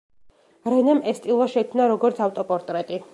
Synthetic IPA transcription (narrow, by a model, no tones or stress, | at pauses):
ɾɛnɛmɛst̪ʼilˠaʃɛkʰmnaɾɔɡɔɾt̪sʰaft̪ʼɔpʼɔɾt̪ʼɾɛt̪ʼi